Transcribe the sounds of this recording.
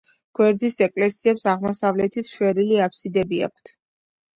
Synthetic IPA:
ɡ̥wɛɾd̪isɛkʼlɛsiɛpsaʁmɔsavlɛt̪ʰit̪ʰʃwɛɾiliapʰsid̪ɛbia̰k̚ʷʰt̪ʰ

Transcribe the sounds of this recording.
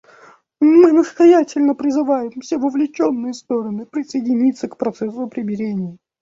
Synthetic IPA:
mɨnəst̪ɐjætʲɪlʲnəpɾʲɪzɨvajɪmfsʲevəvlʲɪt͡ɕo̞nːɨjəst̪o̞ɾənɨpɾʲɪsəjɪdʲɪnʲit̪səkpɾɐt̪sɛsʊɐpɾʲɪmbʲɪɾʲenʲɪjə

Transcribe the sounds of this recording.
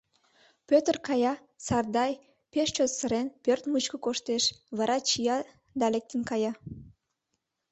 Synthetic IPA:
pʲøt̪ərkɑjɑ | sɑrd̪ɑj | peʃt͡ɕot̪səɾenpørt̪mut͡ɕkəkoʃt̪eʃβɑɾʔɑt͡ɕijɑ | d̪ɑlek̚t̪ənkɑjɑ

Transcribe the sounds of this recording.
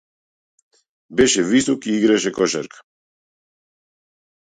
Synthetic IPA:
bɛʃɛvisɔkiiɡɾaʃɛkɔʃa̰ɾkʰḁ

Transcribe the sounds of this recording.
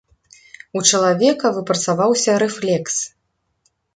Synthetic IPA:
ut͡ʂɐlˠavʲɛkɐvɨpɾɐt̪savawsʲɐɾɛflʲɛks

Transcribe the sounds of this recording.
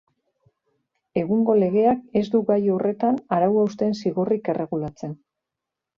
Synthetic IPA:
e̞ɣ̞uŋɡo̞le̞ɣe̞ake̞zd̪uɣajo̞re̞t̪anaɾawaust̪e̞nsiɣorike̞rʔe̞ɣulat͡se̞n

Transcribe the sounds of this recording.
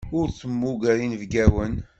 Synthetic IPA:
ʊɾθəmːuɡæɾinvɡæwən

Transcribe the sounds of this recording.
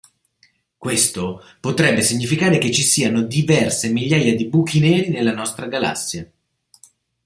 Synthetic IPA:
kwest̪o | pot̪ɾɛbːesiɲːifikaːɾeket͡ʃːisiːanod̪ivɛrsemiʎːaːjad̪ibukinɛːɾinelːanɔst̪ɾaɡala̰sːja

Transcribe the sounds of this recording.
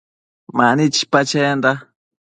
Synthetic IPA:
manit͡ʃi̥pat͡ʃend̪a

